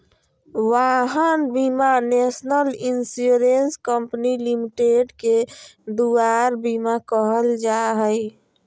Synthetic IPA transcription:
ʋaɦənbimanesnəlinsuɾenskəmpnilimiʈeɖked̪uaɾbimakəɦəld͡ʒaɦəj

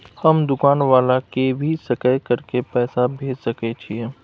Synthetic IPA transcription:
hɐmd̪ʊkaːnʋaːlakebʱisɐkəjkɐɾkepɛːsabʱeːd͡ʒsɐket͡ʃʰieː

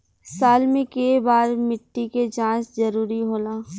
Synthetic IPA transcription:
saːlmẽkebaːɾmɪʈːiket͡ʃãːszɐɾuːɾiɦoːlaː

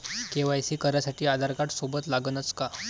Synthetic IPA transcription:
keʋajsiːkəɾjasaʈiːad̪ʱaɾkaʈsobət̪laɡənət͡ska

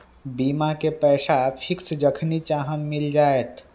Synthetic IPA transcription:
bimakepɛːsapʰiksd͡ʒəkʰnit͡ʃaɦənmild͡ʒaːet̪

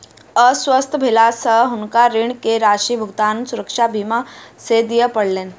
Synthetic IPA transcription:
əsʋəst̪ʰbʱelasəɦɦunkaɾiɳkeɾaʃibʱuɡt̪ansuɾəkʂabʱimased̪ijəpəɽlen

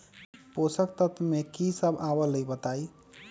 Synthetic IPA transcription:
posək̚t̪ət̪ʰmekisəbʱabələjbət̪aj

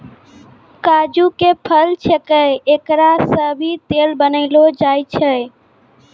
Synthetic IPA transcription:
kaːd͡ʒukeːpʰəlt͡ʃʰekəeeːkɾasəbʱit̪eːlbənəɪlod͡ʒaːit͡ʃʰəe

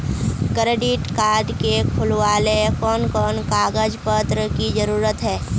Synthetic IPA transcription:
kɾeːɖɪʈkaːɾɖkekʰʊlwaːlekɔːnkɔːnkaːɡəd͡ʒpət̪ɾəkid͡ʒəɾuːɾət̪ɦɛː

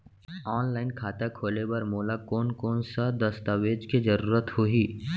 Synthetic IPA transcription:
ɔːnlaːɪnkʰaːt̪akʰoːlebɐɾmoːlakɔːnkɔːnsad̪əst̪aʋeːd͡ʒkid͡ʒɐɾuːɾət̪hoɦiː

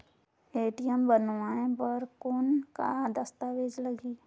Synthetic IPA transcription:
eːʈijəmbənʋaːẽpəɾkoːnka̰d̪əst̪aːʋeːd͡ʒləɡiː

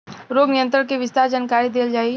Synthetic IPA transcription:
ɾoːɡnɪjə̃nt̪̬ɾəɽkeʋɪst̪aːɾd͡ʒaːnkaːɾid̪eːld͡ʒaːi

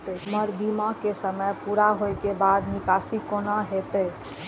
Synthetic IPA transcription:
t̪əməɾbimakesəməjpuɾaɦojkebad̪nikasikonaɦet̪əj

